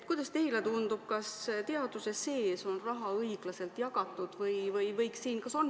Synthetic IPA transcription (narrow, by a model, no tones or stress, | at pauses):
t̪̚kujd̪̥ɑst̪ejlet̪und̪ub̥̚kɑst̪eɑd̪̥use̞se̞ːso̞nrɑɦɑɤiɡ̥lɑse̞lt̪jɑɡ̥ɑt̪ːˑud̪̥vɤjvɤjvɤjksiːnkɑso̞n